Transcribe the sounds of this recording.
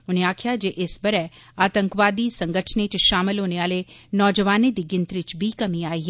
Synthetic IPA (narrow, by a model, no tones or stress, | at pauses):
ʊneaːkʰjad͡ʒeʔɪsbɐɾɛ | aːt̪ə̃ŋkʋaːd̪isɐ̃ŋɡəʈʰnet͡ʃʃaːmɪlɦoːneʋaːlenɔːd͡ʒəʋaːned̪iɡɪnt̪ɾɪt͡ʃbʱikɐmiaːiɦɛ